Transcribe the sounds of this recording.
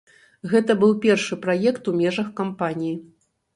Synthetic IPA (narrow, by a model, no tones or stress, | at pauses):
ɣɛt̪ɐbɨwpʲɛrʂɨpɾajɛkt̪umʲɛʐɐxkampanʲiji